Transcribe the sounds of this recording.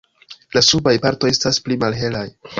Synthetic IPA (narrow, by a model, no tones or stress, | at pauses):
lasubajpaɾto̞je̞stasplimalɦe̞laj